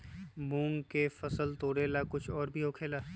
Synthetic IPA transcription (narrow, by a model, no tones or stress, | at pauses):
mũːŋɡkefɐsəlt̪oːɽeːlakʊt͡ʃʰɔːɾbʱioːkʰeːlaː